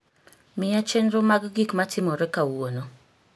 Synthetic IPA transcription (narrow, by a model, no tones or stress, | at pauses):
mɪjat͡ʃɛnɾomaɡɡikmatʰɪmɔɾɛkawono